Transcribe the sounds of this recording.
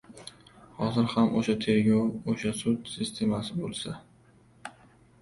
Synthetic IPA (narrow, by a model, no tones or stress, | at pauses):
hɒzɪɾhamʔoʃat̪ʰe̞ɾɡʲɒwoʃasʊd̪sɪst̪ʰe̞masɪbolˠsa